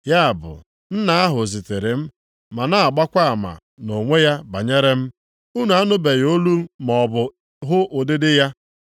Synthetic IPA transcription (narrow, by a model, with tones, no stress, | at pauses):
ja˦a˨bʊ̰˨ | n̩˦na˦a˦ɦʊ˨zi˨te˨ɾɪ˨m̩˦ | ma˨na˦a˨ɡ͡ba˦kʷa˦a˨ma̰˨ | no˨ŋʷe˦ja˦ba˨ɲe˦ɾe˦m̩˦ | u˦nu˨a˦nʊ˦be˨jo˦lu˦mɔ˨bʊ˨ | ɦʊ˦ʔo˨dɪ˦dɪ˦ja˦